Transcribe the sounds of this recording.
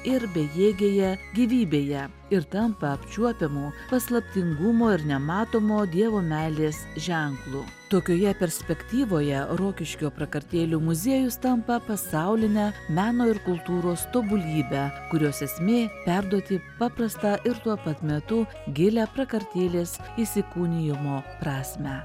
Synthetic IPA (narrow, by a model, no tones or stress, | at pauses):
ɪɾbʲɛjeːɡʲeːjɛɡʲiʋʲiːbʲeːjɛ | ɪɾt̪ɐmpɐɐpʲt͡ʃʲuɔpʲɪmuːpɐslˠɐpʲt̪ʲɪŋɡʊmoːɪɾnʲɛmɑːt̪oːmoːd̪ʲiɛʋoːmʲæːlʲeːsʒʲɛŋklˠuː | t̪oːkʲoːjɛpʲɛɾʲsʲpʲɛkt̪ʲiːʋoːjɛɾoːkʲɪʃʲkʲoːpɾɐkɐɾʲt̪ʲeːlʲuːmʊzʲiɛjʊst̪ɐmpɐpɐsɑʊlʲɪnʲæːmʲæːnoːɪɾkʊlˠt̪uːɾoːst̪oːbʊlʲiːbʲækʊɾʲoːsɛsʲmʲeːpʲæɾd̪uɔt̪ʲɪpɑːpɾɐst̪ɑːʔɪɾt̪uɔpɐt̪ʲmʲɛt̪ʊ | ɡʲɪlʲæːpɾɐkɐɾʲt̪ʲeːlʲeːsiːsʲɪkuːnʲɪjɪmoːpɾɑːsʲmʲæː